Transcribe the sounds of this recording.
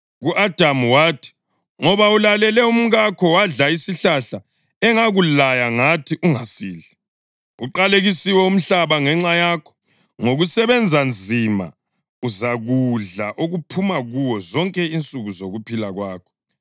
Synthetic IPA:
ɣuʔad̥ʱamwaːtʰi̥ | ŋɔβaulalɛlɛum̩ɣakʰɔwaɮaisiɬaɬa | ɛŋaɣulajaŋatʰiʔuŋasiːɮɛ | uǃaleɣisiwɛum̩ɬaβaŋɛŋ͡ǁajakʰɔ̥ | ŋoɣusɛβɛnd͡zʱand͡zʱima̰ | uzaɣuɮaʔoɣupʰumaɣuwɔzɔŋkʼɛint͡sʼuɣuzoɣupʰilaɣwaːkʰɔ̥

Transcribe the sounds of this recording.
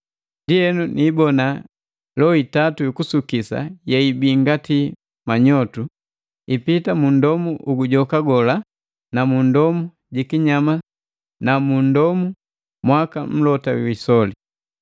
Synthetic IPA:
ndiɛnunʔiːbɔna | lɔitatuikusukisa̰jɛibiŋɡati | maɲɔtu | ipitamun̩dɔmuʔuɡuɟɔkaɡɔla | namundɔmu | ɟikiɲama | namun̩dɔmu | mwakam̩lɔtaw̰isɔli

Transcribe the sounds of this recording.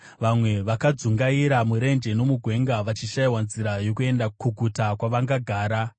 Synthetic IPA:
ʋamwe̞ʋakad͡zuŋɡaiɾamuɾe̞nd͡ʒe̞no̞muɡʱwe̞ŋɡaʋat͡ʃiʃaiwanziɾajo̞kue̞ndakuɡʱutakwaʋaŋɡaɡʱaːɾa

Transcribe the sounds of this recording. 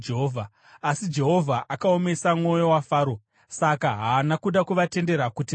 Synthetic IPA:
eɦovʱa | asid͡ʒe̞ɦo̞vʱaʔakao̞me̞samŋo̞jo̞wafaːɾo̞ | sakaɦaːnakuɗakuʋate̞nde̞ɾakuti

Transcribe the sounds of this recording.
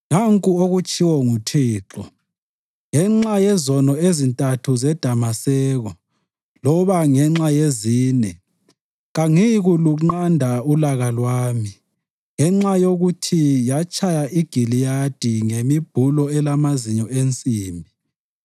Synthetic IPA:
ŋaŋkʼuoɣut͡ʃʰʼiwɔŋutʰiːǁɔ | ŋɛŋ͡ǁajɛzɔnɔezintʼatʰuzɛd̥ʱamasɛːɣɔ | lɔβaŋɛŋ͡ǁajeziːnɛ | ɣaŋiɣuluŋ͡ǃandʱaulaɣalwaːmi | ŋɛŋ͡ǁajoɣutʰijat͡ʃʰʼajaʔiɡ̥ʱilijad̥ʱiŋemib̥ʱulɔɛlamaziɲɔent͡sʼiːmbʱi

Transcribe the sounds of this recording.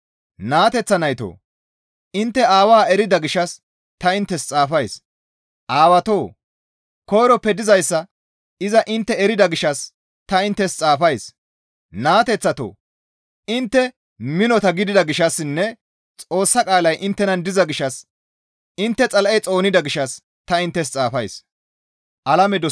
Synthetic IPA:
naːt̪ɛt͡sːɐnɐjt̪o̰ː | ɪnt̪ːɛaːwaːɛɾɪd̪ɐɡɪʃːɐs | t̪ɐɪnt̪ːɛst͡sʼaːfɐjs | ʔaːwɐt̪o̞ː | kɔjːɾɔpːɛd̪ɪzɐjsːɐ | ɪzɐʔɪnt̪ːɛɛɾɪd̪ɐɡɪʃɐs | t̪ɐɪnt̪ːɛst͡sʼaːfɐjs | naːt̪ɛt͡sːɐt̪o̰ | ɪnt̪ːɛ | mɪnɔt̪ɐɡɪd̪ɪd̪ɐɡɪʃɐsɪnːɛ | t͡sʼo̞ːsːɐkʼaːlɐjʔɪnt̪ːɛnɐnd̪ɪzɐɡɪʃɐs | ɪnt̪ːɛt͡sʼɐlʔɛjt͡sʼo̞ːnɪd̪ɐɡɪʃɐs | t̪ɐɪnt̪ːɛs̬t͡sʼaːfɐjs | ʔɐlɐmɛd̪ɔ

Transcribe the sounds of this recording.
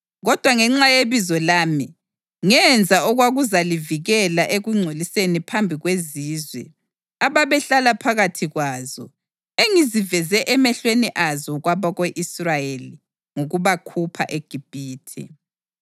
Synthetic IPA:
ɣɔd̥ʱwaŋɛŋ͡ǁajeβizɔlaːmi | ŋɛnd͡zʱaɔɣwaɣuzaliviɣɛlaʔeɣuŋ͡ǀʱolisenipʰambʱiɣweziːzwɛ̰ | aβaβɛɬalapʰaɣatʰiɣwaːzɔ̰ | eŋizivɛzɛʔɛmɛɬweniʔazɔɣwaβaɣeʔisrajeli | ŋuɣuβakʰupʰa̰ʔeɡ̥ʱib̥ʱiːtʰḭ

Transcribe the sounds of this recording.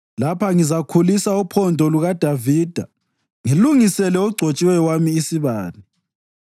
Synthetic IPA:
lapʰaŋizakʰulisaupʰɔndʱɔluɣad̥ʱaviːd̥ʱa | ŋiluŋisɛlɛuɡ͡ǀʱot͡ʃʼiwɛwamiːsiβaːli

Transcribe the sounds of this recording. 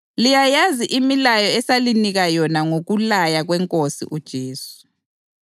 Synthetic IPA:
lijajaziʔimilajɔɛsaliniɣajɔnaŋoɣulajaɣwɛŋkʼosḭʔud̥ʒ̥ʱeːsu̥

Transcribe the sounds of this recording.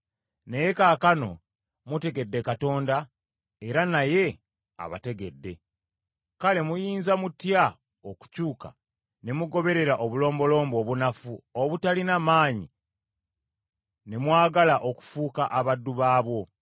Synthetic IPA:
nejekaːkano̞̰ | mute̞ɡe̞dːe̞kato̞ːnda | e̞ɾanaje̞ | a̰βa̰te̞ɡe̞dːe̞ | kale̞mujiːnzamutja | oku̥cuːka̰ | ne̞muɡo̞βe̞ɾe̞ɾaʔoβulo̞ːmbo̞lo̞ːmbo̞ːβunafuoβutalinamaːɲi | ne̞mwaːɡalaʔo̞ku̥fuːkaʔaβadːuβaːβwo̞

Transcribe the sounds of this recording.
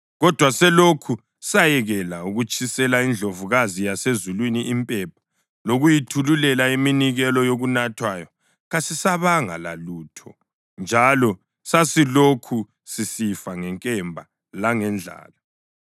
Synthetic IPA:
ɣɔd̥ʱwasɛlokʰu | sajɛɣɛlauɣut͡ʃʼisɛlaind͡ɮʱovuɣazijasezulwiniʔimpʼɛp̚ʰḁ | loɣujitʰululɛlaiminiɣɛlɔjoɣunatʰwajɔ | ɣasisaβaŋa̰la̰luːtʰɔ | nd͡ʒʱalɔ | sasilokʰu | sisifaŋɛŋkʼɛmbʱa | laŋɛnd͡ɮʱa̰ːla

